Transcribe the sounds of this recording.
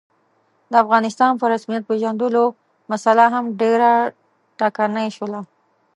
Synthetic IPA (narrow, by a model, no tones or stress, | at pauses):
d̪əafɣɑnɪst̪ɑnpəɾasmijat̪̚peʒand̪əlo | masalaɦamɖeɾa | ʈɑkanajʃəla